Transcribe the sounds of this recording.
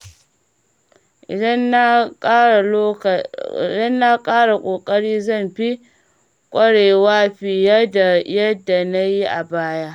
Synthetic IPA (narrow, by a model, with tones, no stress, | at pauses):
ʔ | dɐ˦nːa˦kʼaː˦ɽa˨kʷʼoː˨kʼɐ˦ɽiː˦zɐ˦˨mɸi˦ | kʷʼɐ˦ɽeː˨waː˦ɸi˨jɐ˦da˨jɐ˦dːa˨na˦ji˦ʔa˨baː˦jaː˦ʔ